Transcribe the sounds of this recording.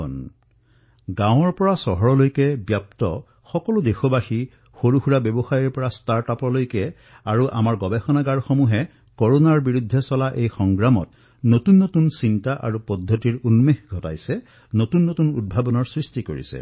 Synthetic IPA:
ɔn | ɡãw̃ɔɹpɔɹasɔɦɔɹɔlojkɛbjap̚tɔ̰ | xɔkɔludexobaxi | xoɹuhuɹabɛbɔxajiɹpɔɹastaɹtapɔlojkɛ | aɹuʔa̰maɹɡɔbɛxɔnaɡaɹxomuɦɛ | kɔɹonaɹbiɹud̪ʱːɛsɔlaʔejxɔŋɡɹamɔt | notunːotunsintaʔa̰ɹupɔdʱːɔtiɹunmexɡʱɔta̰jsɛ | notunːotunṵd̚bʱabɔnɔɹsɹistikoɹḭsɛ̰

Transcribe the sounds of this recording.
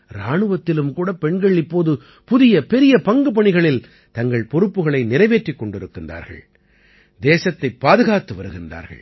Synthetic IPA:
ɾaːɳɯʋɐt̪ːɪlɯmkuːɽɐpɛɳɡɐɭɪpːoːðɯ | pʊðɪjɐpɛɾɪjɐpɐŋɡɯpɐɳɪɣɐɭɪl | t̪ɐŋɡɐɭpɔɾɯpːɯɣɐɭɐɪnɪɾɐɪʋeːʈrikːɔɳɖɪɾɯkːɪnda̰ːɾɣɐ̰ɭ | d̪eːsɐt̪ːɐɪpːaːðɯɣaːt̪ːɯʋɐɾɯɣɪnda̰ːɾɣɐ̰ɭ

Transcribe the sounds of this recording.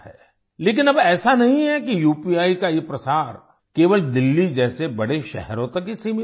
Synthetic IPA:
ɛ̰ː | leːk̬ɪnɐbɛːsanɐɦĩɦɛkijuːpiaːikajepɾɐsaːɾ | keːʋəld̪ɪlːid͡ʒɛːsebɐɽeʃɛ̰ɦɛɾõt̪ɐkːisim

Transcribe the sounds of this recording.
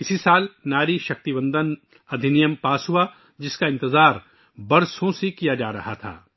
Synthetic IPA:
ɪsisaːlnaːɾiʃɐk̚t̪ibə̃nd̪ən | ɐd̪ʱɪnɪjəmpaːsɦua | d͡ʒɪskaɪ̃nt̪ɪzaːɾ | bɐɾsõsekijad͡ʒaːɾɐ̰ɦat̪ʰa̰ː

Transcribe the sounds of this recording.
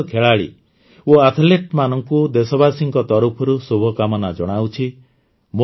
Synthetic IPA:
kʰeɭaɭḭ | oat̪ʰleʈmanɔŋkud̪esɔbasiŋkɔt̪ɔɾupʰɔɾusobʱɔkamɔnad͡ʒɔɽ̃awt͡ʃʰi | mo

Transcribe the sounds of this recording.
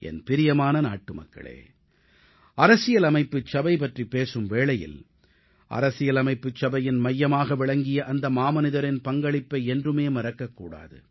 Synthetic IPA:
ʔɛ̰npɪɾɪjɐmaːnɐna̰ːʈːɯmɐ̰kːɐ̰ɭḛː | ɐɾɐsɪjɐlɐmɐɪpːɯt͡ʃːɐbɐɪpɐʈripːeːsɯmʋeːɭɐjɪ̰l | ʔɐ̰ɾɐsɪjɐlɐmɐɪpːɯt͡ʃːɐbɐjɪnmɐjːɐmaːɣɐʋɪɭɐŋɡɪjɐʔɐnd̪ɐmaːmɐnɪðɐɾɪnpɐŋɡɐɭɪpːɐɪɛndrɯmeːmɐɾɐkːɐkːṵːɽa̰ːðɯ̰

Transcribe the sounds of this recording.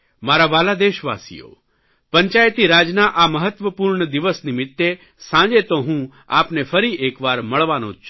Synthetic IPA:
maɾaʋalad̪eʃʋa̰sḭjo̰ | pə̃ɲt͡ʃajt̪iɾaːd͡ʒnaʔaməɦət̪ʋəpuːɾɳəd̪iʋəsnimɪt̪ːe | sãd͡ʒet̪oɦũ | a̰pnefʰəɾiʔekʋaɾməɭʋanõ̰t͡ʃʰ

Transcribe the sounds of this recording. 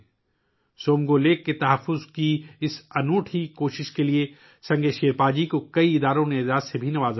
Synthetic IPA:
soːmɡoleːkːet̪ɐɦəfːʊzkiɪsɐnoːʈʰikoːʃɪʃkelie | sɐ̃ŋɡeʃeːɾpaːd͡ʒikokɐiɪd̪aːɾõneɪzaːsebʱinɐʋaːz

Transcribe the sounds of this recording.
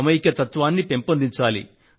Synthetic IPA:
ɐmɐjikɐt̪ɐt̪ʋaːnːipe̞mpɐnd̪iɲt͡ʃaːlḭ

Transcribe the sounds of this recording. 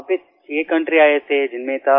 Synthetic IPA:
pɪ | t͡ʃiekɐ̃ɳʈɾiaːet̪ed͡ʒɪnmẽt̪a

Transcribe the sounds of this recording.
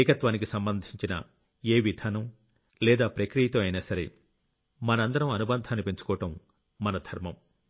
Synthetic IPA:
jkɐt̪ʋaːnikisɐmbɐnd̪ʱiɲt͡ʃinɐ̰ | eːʋid̪ʱaːnɐm | lɛːd̪aːpɾɐkɾijɐt̪oːɐjnaːsɐɾḛ | mɐnɐɐnd̪ɐɾɐmɐnubɐnd̪ʱaːnːipe̞ɲt͡ʃu̥kɔːɐʈɐmː | ɐnɐd̪ʱɐɾmɐm

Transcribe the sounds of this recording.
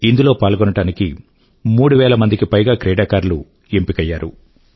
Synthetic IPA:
ind̪ulo̞ːpaːlɡɔnɐʈaːniki | muːɽuʋɛːlɐmɐnd̪ikipɐjɡaːkɾɛːɽaːkaːɾlṵ | e̞mpikɐjːaːɾṵ

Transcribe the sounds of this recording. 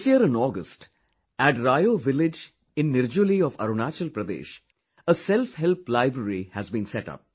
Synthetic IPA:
sjiəɾɪ̃nɔːɡəsʈ | æʈɾajoːʋɪlɪd͡ʒ | ɪ̃nːɪɾd͡ʒuliɔfɐ̰ɾunaːt͡ʃəlpɾəd̪ḛːʃ | əsɛlfɦɛlplaɪbɾəɾihæzbĩːnsɛʈʌ̰p̚

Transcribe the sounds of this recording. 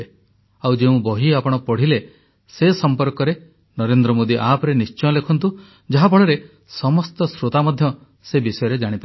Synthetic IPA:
e | awd͡ʒeũbɔɦiapɔɽ̃ɔpɔɽ̤ile | sesɔmpɔɾkɔɾe | nɔɾend̪ɾɔmod̪iʔapɔɾenist͡ʃɔ̃lekʰɔnt̪u | d͡ʒaɦabʱɔɭɔɾe | sɔmɔst̪ɔsɾot̪amɔd̪ʱjɔ | sebisɔjɔɾed͡ʒaɽ̃ipa

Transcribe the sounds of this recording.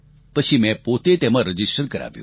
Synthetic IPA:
pət͡ʃʰimɛ̃pot̪et̪emãɾəd͡ʒisʈəɾkəɾa̰ʋjṵ̃

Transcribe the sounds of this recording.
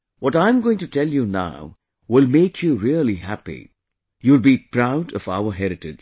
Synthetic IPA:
wɔɾãɪ̃mɡoːɪ̃ŋtutʰɛljuna̰ʊ | wɪlmeɪkʰjuɾiəlihæpḭ | julbipɾaʊɖʌva̰ʊəɦɛɾɨʈɪd͡ʒ

